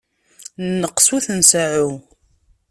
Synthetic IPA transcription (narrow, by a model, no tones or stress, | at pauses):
nːəqːsuθənsaʕu